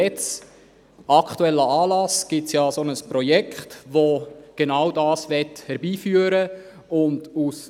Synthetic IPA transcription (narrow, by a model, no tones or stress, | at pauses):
ɛt͡s | ʔɑkχtuɛlːəɑːlɑsɡ̥ɪtsjɑːsonəspɾɔjɛkχtʋoɡ̥enawdɑːsʋɛthɛɾbiːfyːəɾə | ʊndus